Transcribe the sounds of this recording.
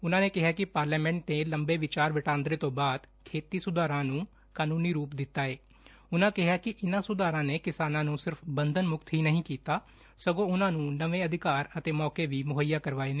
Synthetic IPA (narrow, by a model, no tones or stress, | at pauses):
ʊnãːneːkɪɦaːkɪpaːɾlɛːmɛ̃ːɳʈneːləmbeːʋɪt͡ʃaːɾʋɪʈãːnd̪ɾeːt̪õːbaːd̪kʰeːt̪iːsʊd̪aːɾãːnũː | kaːnũːniːɾuːpd̪ɪt̪ːaːɛː | ʊnãːkɪɦaːkɪʔɪnãːsʊd̪aːɾãːneːkɪsaːnãːnũːsɪɾpʰbənd̪ənmʊkt̪ɦiːnəɦĩːkiːt̪aː | səɡõːʊnãːnũːnəʋẽːəd̪ʱɪkaːɾət̪eːmɔːkeːʋiːmʊɦəjːaːkəɾʋaːeːneː